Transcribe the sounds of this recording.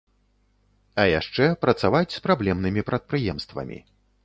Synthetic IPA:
ɐjaʂt͡ʂɛpɾɐt̪savat͡sʲspɾablʲɛmnɨmʲipɾɐt̪̚pɾɨjɛmst̪vɐ̰mʲḭ

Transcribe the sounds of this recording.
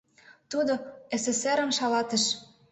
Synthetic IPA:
t̪ud̪oeseseɾə̆mʃɑlɑt̪ə̆ʃ

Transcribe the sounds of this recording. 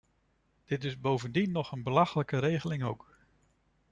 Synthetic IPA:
d̥ɪtɪzbowvəndinːɔχənbəlɑχələkəɾejχəlɪŋowk

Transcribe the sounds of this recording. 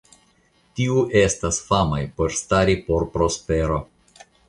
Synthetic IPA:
tiuʔe̞stasfamajpo̞ɾstaɾipo̞ɾpɾo̞speɾo̞

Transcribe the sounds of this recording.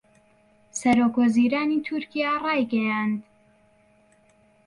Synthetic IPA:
sɐɾokwɐziːɾaːnit̪ʰʊɾkʰijarˤɑːjɡɐjand̪

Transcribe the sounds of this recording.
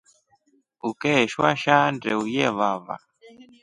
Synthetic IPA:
ukɛʃwaʃandɛujɛβava̰

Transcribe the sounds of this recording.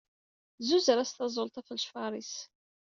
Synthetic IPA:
zuzəɾæst̪ɑzˤolt̪ˤæfəlʃfɑɾˤis

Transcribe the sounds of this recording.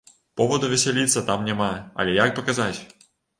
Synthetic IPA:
pɔvɐd̪uvʲɛsʲɛlʲit̪sːɐt̪amnʲɛmaɐ̰lʲɛjak̚pɐkazat͡sʲ

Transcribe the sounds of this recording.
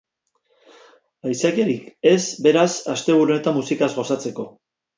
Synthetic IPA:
ajsakeɾike̞sbe̞ɾasast̪e̞βuɾune̞t̪amusikazɣo̞sat͡se̞ko̞

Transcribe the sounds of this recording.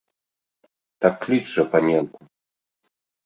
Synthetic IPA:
t̪akːlʲidʐɛpamʲjɛnt̪am

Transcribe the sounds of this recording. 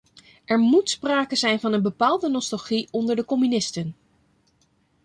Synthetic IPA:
ʔɛɹmutspraːkəzɛjnvɑnənbəpaːlˠdənɔstɑlˠχiʔɔndəɹdəkɔmynɪstən

